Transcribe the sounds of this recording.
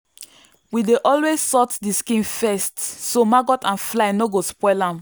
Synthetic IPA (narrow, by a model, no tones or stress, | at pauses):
wideʔɔlwezsɔtdiskĩnfɛstsomaɡɔtʰãnflaɪnoɡospɔɪlãm